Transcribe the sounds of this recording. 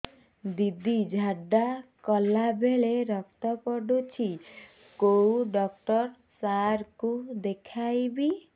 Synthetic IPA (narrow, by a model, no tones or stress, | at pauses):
d̪id̪id͡ʒʱaɖakɔlabeɭeɾɔk̚t̪ɔpɔɖut͡ʃʰi | koɖɔk̚ʈɔɾ | saɾkud̪ekʰajbi